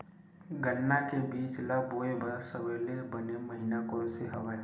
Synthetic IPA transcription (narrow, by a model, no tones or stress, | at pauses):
ɡənːakebiːt͡ʃlaboːebʱasəʋeːlebəneməɦinakoɾseɦɐʋa